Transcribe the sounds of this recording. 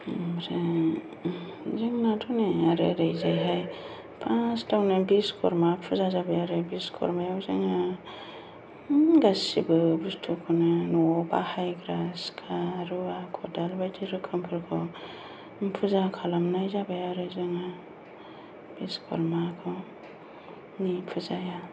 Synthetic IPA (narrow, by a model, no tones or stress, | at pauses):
ɾe | zɯŋnatʰuneaɾḛɾejzajɦaj | pʰãstʰawnɯbiskʰɔ̰ɾmapʰuzazabajaɾɯbiskʰɔ̰ɾmajawzɯŋa | ɡasibɯbustʰukʰɔnɯnɔɔba̰hajɡɾaskʰaɾuakʰɔdalbajdʰiɾɯkʰɯmpʰɯɾkʰɔ | mpʰɯzakʰalamnajzabajaɾɯzɯŋa | b̥iskʰɔ̰ɾmakʰɔ | nipʰɯzaja